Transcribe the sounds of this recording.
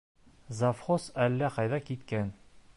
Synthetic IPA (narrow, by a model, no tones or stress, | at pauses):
zafχosælːæqɑjðɑkit̪kæn